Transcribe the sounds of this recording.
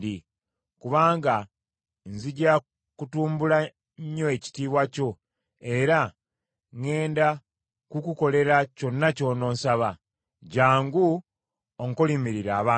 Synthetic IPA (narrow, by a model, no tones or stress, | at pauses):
di | kuβaːŋɡa | nziɟa | kutuːmbula | ɲːo̞e̞ci̥tiːβwaco̞ | e̞ɾa | ŋe̞ːnda | kukuko̞le̞ɾaco̞nːaco̞no̞ːnsaβa | ɟaːŋɡu | oŋkolimiɾiɾaːβaː